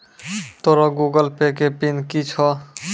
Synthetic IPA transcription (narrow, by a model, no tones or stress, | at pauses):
t̪oɾɔɡuɡəlpekepinkit͡ʃʰɔ